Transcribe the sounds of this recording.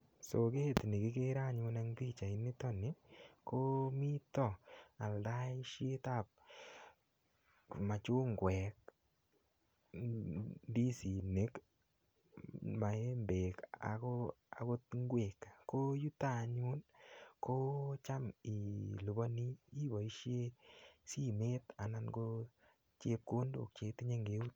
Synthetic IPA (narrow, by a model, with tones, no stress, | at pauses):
so˨ke˦tni˨kɪ˦ke˦ɾa˦ɲʊ˧na˦ŋbi˦t͡ʃa˨i˦nɪ˦tɔ˦nɪ˦kʰo˦mi˦tɔ˦˨a˨lda˦ʃje˦ta˦˨p̚ | ma˨t͡ʃʊ˦ŋɡwɛ˨k̚ | di˦si˨ne˦k | ma˨e˦mbe˨ka̰˨kɔ˦ | a˨ko˦tŋɡwe˨kkːo˦ju˦ta˨ɲu˦nkʰo˦t͡ʃa˦mi˨lu˨bɔ˦ni˦i˦bɔ˨i˦ʃje˦si˦me˦t̪a˨na˦nko˦ | t͡ʃe˦p̚ko˦ndo̰˨k̚t͡ʃe˧ti˦ɲe˦ŋɡe˦u˦t̚